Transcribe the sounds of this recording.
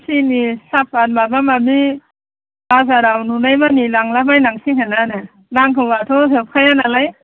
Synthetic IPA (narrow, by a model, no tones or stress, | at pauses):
sinisap̚ːat̚mabamabi | bazaɾawnunajbanilaŋlabajnaŋsiŋɦenanɯ | naŋkʰɯatʰɔɦɯp̚kʰajanalaj